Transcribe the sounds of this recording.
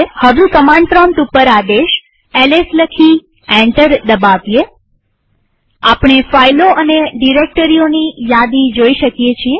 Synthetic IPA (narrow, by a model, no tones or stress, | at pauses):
həʋukəmãɳɖpɾɔmʈupəɾad̪eʃ | ɛlesləkʰi | ɛ̃ɳʈəɾd̪əbaʋije | apɳ̃efajloʔəneɖiɾek̚ʈəɾionijad̪ĩd͡ʒoiʃəkjet͡ʃʰie